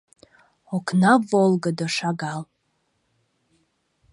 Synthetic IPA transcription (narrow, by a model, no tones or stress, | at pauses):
okʰnavolˠɡadaʂaɡal